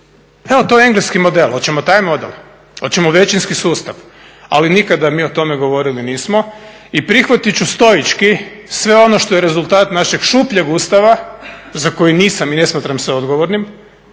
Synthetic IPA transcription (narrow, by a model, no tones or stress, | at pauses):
eo̞t̪o̞jeeŋɡleskimo̞d̪elˠo̞t̪t͡ɕemot̪aːjmo̞d̪ḛl | o̞t̪t͡ɕemoʋe̞t͡ɕinskisuːst̪aʋ | a̰linikad̪amiːot̪o̞meɡo̞ʋo̞ɾiliniːsmo | ipɾixʋat̪it͡ɕust̪o̞jit͡ʃkisʋe̞o̞noʃt̪o̞jeɾe̞zult̪aːt̪naʃeɡ̥ʃuːpʎeɡuːst̪aʋazako̞jiniːsamine̞smaːt̪ɾamseo̞d̪ɡoʋoɾnim